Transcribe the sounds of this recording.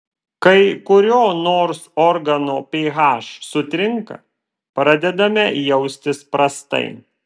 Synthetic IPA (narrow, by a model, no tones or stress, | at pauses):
kɐɪkʊɾʲoːnoːɾsɔɾɡɐnoːpʲeːɣɑːʃsʊt̪ʲɾʲɪŋkɐ̰ | pɾɐd̪ʲɛd̪ɐmʲɛjɛʊsʲt̪ʲɪspɾɐst̪ɐ̰ɪ